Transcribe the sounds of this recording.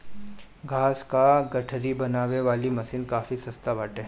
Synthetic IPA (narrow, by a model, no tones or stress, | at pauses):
ɡʱaːskaɡɐʈʰɾibɐnaːʋeʋaːlimɐsiːnkaːfisɐst̪abaːʈẽ